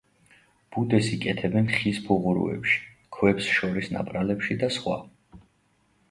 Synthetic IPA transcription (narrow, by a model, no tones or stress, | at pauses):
b̥ud̪ɛsikʼɛt̪ʰɛbɛnχisbuʁuɾṵɛ̰pʃi̥ | kʰwɛpsʃɔɾisna̰pʼɾalɛpʃid̪asχwa̰